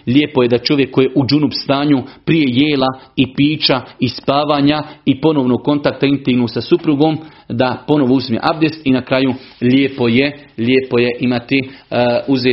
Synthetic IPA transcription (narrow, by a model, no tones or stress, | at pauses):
ʎʲeːpo̞jed̪at͡ʃo̞ʋjekʰːojeʔud͡ʒunupst̪aːɲupɾije̞jeːlaipiːt͡ʃaispaːʋaːɲaipo̞noʋnoɡ̚ko̞nt̪ak̚t̪aint̪iɡnuːsasupɾuɡo̞ːm | d̪apo̞no̞ʋousmjḛʔabd̪est̪inakɾaːjulʲeːpo̞jelʲeːpo̞je̞ʔimat̪iuze